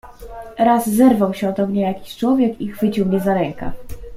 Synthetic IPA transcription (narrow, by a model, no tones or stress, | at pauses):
ɾazːɛɾvawɕɛɔd̪ɔmɲɛjakʲi̥ɕt͡ʂwɔvʲjɛkixfɘt͡ɕiwmɲɛzaɾɛŋka̰